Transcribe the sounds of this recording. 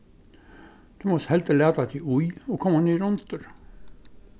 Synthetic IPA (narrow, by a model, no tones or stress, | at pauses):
d̪̥ʉːmɔshɛlt̪əleːt̪ɑt̪ʰiujoːkʰɔmːɑnyːɾʊnt̪əɾ